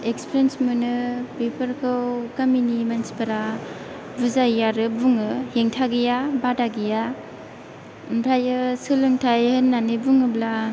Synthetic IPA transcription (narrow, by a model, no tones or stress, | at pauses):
ekspʰiɾensmɯnɯpepɐɾkʰɯwkaminimansi̥pɯɾa | buzajaɾɯbuŋɯheŋtʰaɡijabadaɡija | mpʰajɯsɯlɯŋtʰajhɯnːanibuŋɯbla